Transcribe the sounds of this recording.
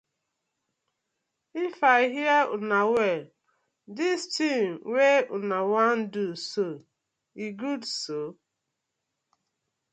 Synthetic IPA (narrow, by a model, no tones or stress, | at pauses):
ifaiɦiaʊnawɛl | dɪstʰimweʊnawan̩duso | iɡudso